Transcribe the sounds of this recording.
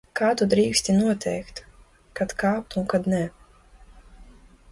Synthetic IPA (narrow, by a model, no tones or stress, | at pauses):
kaːt̪ud̪ɾiːksʲt̪ʲinuɔt̪ʲʰɛjkt̪ | kat̪kaːp̚t̪uŋkad̪nɛ